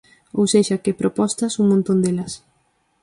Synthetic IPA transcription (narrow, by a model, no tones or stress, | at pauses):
owseʃɐkɪpɾopɔst̪ɐsuŋmõnt̪ond̪elɐs